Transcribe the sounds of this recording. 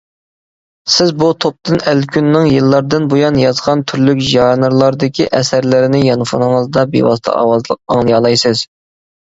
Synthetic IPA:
sɪzbut̪ʰop̚t̪ɨnælkʲʰynːɨŋjɨlˠːɑɾd̪ɨnbojɑnjɑzʁɑnt̪ʰyɾlykʲʒɑnɨɾlˠɑɾd̪ɪkʲʰiʔɛsæɾlɪɾɪnɪjɑnɨfɑ̰nɨŋəzd̪ɑbḛwɑ̰st̪ʰɑ̰ɑ̰wɑzlˠəq̚ɑŋlˠɨjɑlˠɑjsɨz̥

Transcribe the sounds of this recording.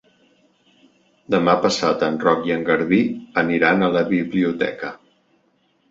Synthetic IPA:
d̪əmapəsat̪ənrɔkjəŋɡəɾβiəniɾanələβiβliut̪ɛ̰kə

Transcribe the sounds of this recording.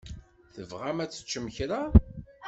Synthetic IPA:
θəvʁæmæt͡sːə̥t͡ʃːəmçɾa

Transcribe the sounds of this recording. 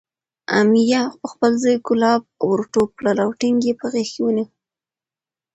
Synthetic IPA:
a̰mijapəxpəlzəjkʊlɑb̚wʊɾʈoplalawʈɪŋɡepəɣexkiwəni

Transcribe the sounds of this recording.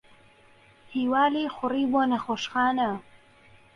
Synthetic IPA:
hiːwaːleːxʷʊriːboːnɐxoːʃxaːnɐ

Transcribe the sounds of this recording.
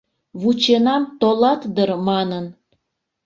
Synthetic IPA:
βut͡ɕenɑmt̪olɑt̪d̪ərmɑnən

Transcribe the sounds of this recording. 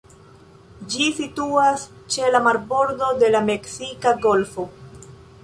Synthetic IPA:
d͡ʒisituas | t͡ʃe̞lamaɾbo̞ɾdo̞de̞lame̞ksikaɡo̞lfo̞

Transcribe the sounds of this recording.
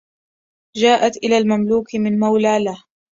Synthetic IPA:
d͡ʒaːʔat̪ʔɪlaːlmamluːkɪmɪnmawlaːlah

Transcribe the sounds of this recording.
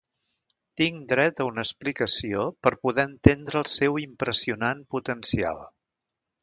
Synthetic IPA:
t̪iŋd̪ɾɛt̪əunəsplikəsiopəɾpuðɛənt̪end̪ɾəːlˠsɛwimpɾəsiunanput̪ənsia̰lˠ

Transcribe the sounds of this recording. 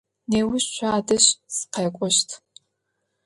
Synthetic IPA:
neːwʊɕʃʷʰaːdɨɕsqʰeːkʷʼɔʃtʰ

